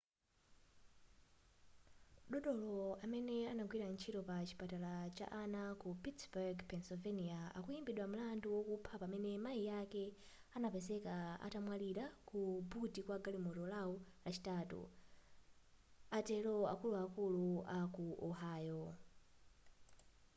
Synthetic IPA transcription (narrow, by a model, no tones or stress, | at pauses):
ɗɔɗɔlɔamɛnɛanaɡwiɾant͡ʃʰitɔpat͡ʃi̥patalat͡ʃa̰ʔanakupitsbɛɡpʰɛnsɔvɛniaa̰kujimbiɗwam̩landuwɔkupʰapamɛnɛmaijakɛ | anapɛzɛkaa̰tamwaliɾakubutikwaɡalimɔtɔlau | lat͡ʃi̥taːtṵ | atɛlɔa̰kuluakuluakuʔɔɦaːjɔ